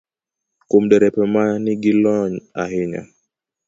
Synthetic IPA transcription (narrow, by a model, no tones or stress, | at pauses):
kum̩ɗɛɾɛpɛmaniɡilɔɲa̰ɦiɲa̰